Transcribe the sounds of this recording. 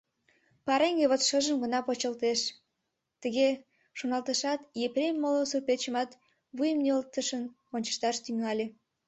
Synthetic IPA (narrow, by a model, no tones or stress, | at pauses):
pɑɾeŋɡeβot̪ʃəʒəmɡə̆nɑpot͡ɕəlt̪eʃ | t̪əɣe | ʃonɑlt̪əʃɑt̪jeprʲemːolosupet͡ɕəmɑt̪ | βujəmnøəlt̪əʃən | onʲt͡ɕə̥ʃt̪ɑʃt̪yŋɑlʲe